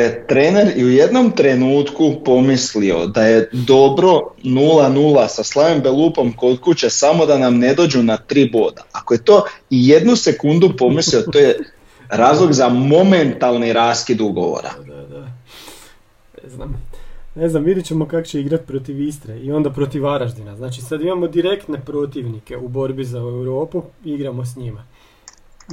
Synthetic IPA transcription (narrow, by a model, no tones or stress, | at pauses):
jet̪ɾe̞ːne̞ɾiuje̞d̪no̞mt̪ɾe̞nuːt̪kupo̞mislio̞̰d̪aje̞d̪o̞bɾo̞nuːlˠanuːlˠasaslˠaʋimbelˠuːpo̞mko̞t̪kut͡ɕesamo̞d̪anamne̞d̪o̞ːd͡ʑunat̪ɾiːbo̞ːd̪aakoje̞t̪o̞ːije̞d̪nuse̞kund̪upo̞mislio̞t̪oːje | ɾaːzlˠo̞ɡzamo̞ment̪alˠniɾaːskid̪uɡo̰ʋo̰ɾa̰d̪a | neznamne̞znamʋid̪jet͡ɕemo̞kako̥t͡ɕeiɡɾat̪̚pɾo̞t̪iʋist̪ɾeio̞nd̪apɾo̞t̪iʋaɾaʒd̪inaznaːt͡ʃisad̪imamo̞d̪iɾe̞kt̪ne̞pɾo̞t̪iʋnike̞ubo̞ɾbizaewɾo̞ːpuiɡɾamo̞sɲima